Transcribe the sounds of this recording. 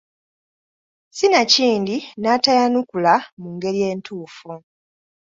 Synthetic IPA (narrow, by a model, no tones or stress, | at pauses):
sinaciːndinatajanukulamuŋɡe̞ɾije̞ːntʰuːfu